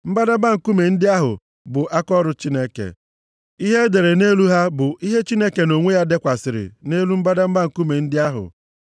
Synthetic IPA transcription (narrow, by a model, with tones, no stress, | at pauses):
m̩˦ba˦da˦m̩˦ba˦ŋ̩˨ku˦me˨n̩˦dɪ˦a˦ɦʊ̰˨ | bʊ˨ʔa˦kɔ˦ɾʊ˦t͡ʃi˦ne˦kḛ˨ | i˦ɦe˦de˨ɾe˨ne˦lu˦ɦa˦bʊ˨ʔi˦ɦe˦t͡ʃi˦ne˦ke˨no˨ŋʷe˦ja˦de˦kʷa˨sɪ˨ɾɪ̰˨ne˦lu˦m̩˦ba˦da˦m̩˦ba˦ŋ̩˨ku˦me˨n̩˦dɪ˦a˦ɦʊ̰˨